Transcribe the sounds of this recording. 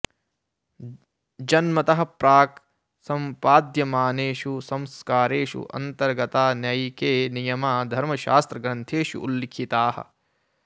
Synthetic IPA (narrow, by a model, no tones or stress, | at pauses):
d͡ʒɐnmɐt̪ɐɦɐ̆pɾaːk | sɐmpaːd̪jɐmaːneːʃusɐ̃mskaːɾeːʃṵʔɐ̰nt̪ɐɾɡɐt̪aːnɐjkeːnijɐmaːd̪ʱɐɾmɐʃa̰ːst̪ɾɐɡɾɐnt̪ʰeːʃṵʔṵlːikʰit̪aːhɐ̰̆